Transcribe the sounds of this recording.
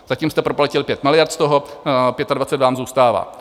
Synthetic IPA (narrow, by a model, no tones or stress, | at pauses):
z̥acimst̪ɛpɾoplɛcɪlpjɛt̪mɪlɪjaɾt̪st̪oɦopjɛt̪advat͡sɛd̪dvaːmzuːst̪aːva̰ː